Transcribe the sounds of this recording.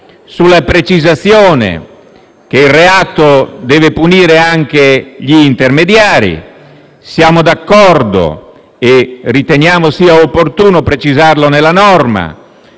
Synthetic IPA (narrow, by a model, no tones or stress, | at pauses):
sulapɾet͡ʃizat̪sjɔːnḛ | k̟eilrːeaːt̪od̪ɛːvepuniːɾeaŋk̟eʎiːnt̪ermed̪jaːɾḭ | sjaːmod̪akːɔrd̪o̰ | erit̪eɲjaːmosiːaopːort̪uːnopɾet͡ʃizarlonelanɔrma̰